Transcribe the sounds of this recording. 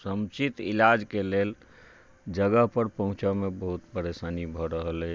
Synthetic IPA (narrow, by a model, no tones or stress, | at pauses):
səmt͡ʃit̪ḭlad͡ʒkelel | d͡ʒəɡəɦpəɾpəɦũt͡ʃɔmebəɦut̪pəɾesanibʱɔɾəɦəlɛ